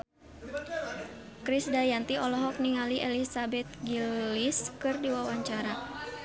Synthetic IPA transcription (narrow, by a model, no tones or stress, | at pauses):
kɾisdajant̪iʔɔlɔɦɔk̚niŋaliʔelisabɛt̪̚ɡiliskɨrdiwawaɲt͡ʃaɾa